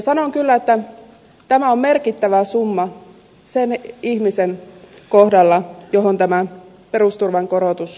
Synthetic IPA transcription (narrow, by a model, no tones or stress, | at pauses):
sɑnoŋkylːæet̪ːæ | t̪æmæommerkit̪ːæʋæsumːɑ | senihmisen | kohdɑlːɑjoɦont̪æmæ | perust̪urʋɑŋkoɾot̪us